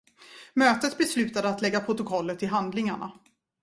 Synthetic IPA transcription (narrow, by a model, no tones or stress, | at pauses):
møːt̪ət̪bɛslʉ̟ːt̪ad̪əat̪lɛɡːapʰɾʊt̪ʊkʰɔlːət̪ʰːɪlɦand̪lɪŋaɳa̰